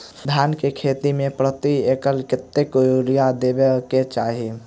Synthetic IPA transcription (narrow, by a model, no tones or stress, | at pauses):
d̪ʱaːnkekʰeːt̪imẽpɾət̪ieːkəlkɪt̪ːekɾijad̪eːbeket͡ʃaːɦi